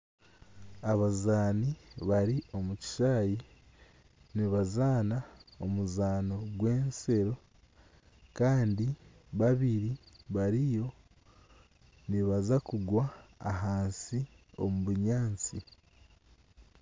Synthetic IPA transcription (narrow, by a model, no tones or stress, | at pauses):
aβazaːniβaɾio̞muci̥ʃaːji | niβazaːnao̞muzaːno̞ɡwe̞ːnse̞ɾo̞ | kaːndi | βaβiɾiβaɾijo̞ | niβazakuɡwa̰ːɦaːnsi | o̞̰muβuɲaːnt͡si